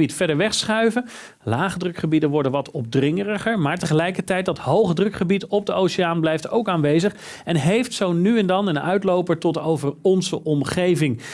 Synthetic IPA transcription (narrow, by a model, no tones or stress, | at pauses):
itfɛɹdəɹʋɛχsχœɥvə | laːχədrɵkχəbidənʋɔɹdənʋɑtɔb̚drɪŋərəχəɹmaːɹtəχəlɛjkəɹtɛjt̚dɑtɦowχədrɵkχəbitɔb̚dəʔowsɪaːnblɛjftowkaːnʋejzəχ | ɛnɦejftsownyɛndɑnənœ̰ɥtlowpəɹtɔtowvəɹɔnzəʔɔmχejvɪŋ